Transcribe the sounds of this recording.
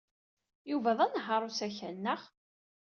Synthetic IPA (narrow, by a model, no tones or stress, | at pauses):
juvæðˤænɦɑɾˤusæçænːəʁ